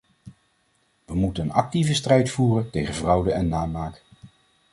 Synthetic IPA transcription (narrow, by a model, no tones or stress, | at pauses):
ʋəmutənənɑk̚tivəstrɛjtfuːrəntejχənvrɑwdəɛnːaːmaːk